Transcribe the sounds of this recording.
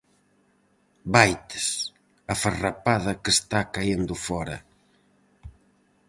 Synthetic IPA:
bajt̪ɪ̥s | afarapaðɐkest̪akaend̪ʊfɔɾɐ̰

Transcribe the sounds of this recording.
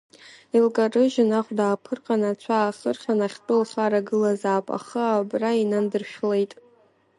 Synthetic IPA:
ilkʼarɨʒɪnaχʷdaːpʰɨrqʼanat͡ɕʷʰaːχərχʲanaχʲtʼɨlχaɾaɡɨlazaːpʼa̰χəabrainandɨrʃᶣle̞jtʼ

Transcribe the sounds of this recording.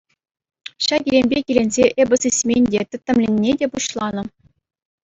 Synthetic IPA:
ɕɑɡʲilʲemʲbʲekʲilʲenʲzʲeʔebʲɘ̆sisʲmʲenʲdʲet̪ʲɘ̆t̪ʲːɘ̆mlʲenʲːedʲepuɕlˠɑnɤ̆

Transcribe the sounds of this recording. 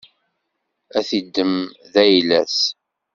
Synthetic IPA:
æθid̪ːəm | ðæjlæs

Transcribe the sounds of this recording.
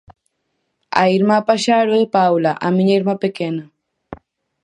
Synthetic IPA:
a̰iɾmapaʃaɾoðepawlaʔamĩɲaiɾmapekena

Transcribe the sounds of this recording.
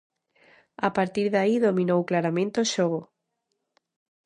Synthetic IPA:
apaɾt̪iɾðaiðomĩnowklaɾamẽnt̪eoʃoɣ̞o

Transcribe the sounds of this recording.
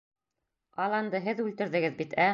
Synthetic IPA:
ɑlˠɑnd̪ɤɦɘðʉlt̪ɘ̆ɾðɘ̆ɡɘðbit̪ʰæ

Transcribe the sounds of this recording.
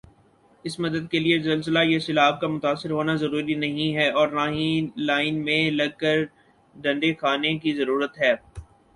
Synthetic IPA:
ɪsmɐd̪əd̪̚keliezɪlsəlajesɪlaːb̚kamʊt̪aːsːɪɾɦoːnazɐɾuːɾinɐɦĩɦɛːɔːɾnaːɦĩlaːɪnmẽlɐɡ̚kəɾ | ɖɐ̃ɳɖexaːnekizɐɾuːɾət̪ɦɛː

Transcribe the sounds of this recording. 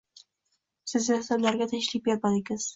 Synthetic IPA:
sɪzasablaɾɡʲat̪ʰɪŋʃlɪk̚ʲbeɾpad̪ɪɡʲɪz̥

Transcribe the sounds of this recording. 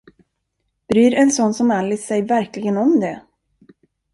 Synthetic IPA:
b̥ɾyːɾɛnsɔnːsɔmalːɪsɛjvæɾklɪɡənɔmd̪ɛ

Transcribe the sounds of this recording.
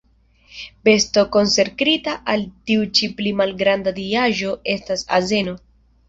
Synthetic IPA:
be̞sto̞ko̞nse̞ɾkɾitaʔaltiut͡ʃiplimalɡɾandadiaʒo̞e̞stasa̰ze̞no̞

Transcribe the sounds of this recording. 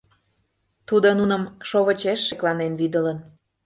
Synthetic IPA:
t̪ud̪onunə̆mʃoβə̆t͡ɕeʃːeklɑnenβyd̪ə̆lən

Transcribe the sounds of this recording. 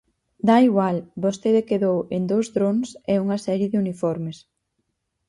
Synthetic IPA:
d̪aiɣwalbost̪eðekeðowend̪owzðɾonsɛuŋɐsɛɾjɪðɪunifɔɾmes

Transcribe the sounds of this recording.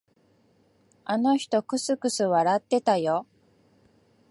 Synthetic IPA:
ano̞çi̥t̪o̞kɯ̟sɨkɯ̟sɨβaɾat̪ːe̞t̪ajo̞

